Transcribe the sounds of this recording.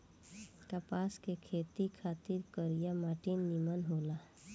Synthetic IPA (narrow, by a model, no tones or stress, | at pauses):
kapaːskekʰeːt̪ikʰaːt̪ɪɾkəɾijamaːʈinːimənɦoːla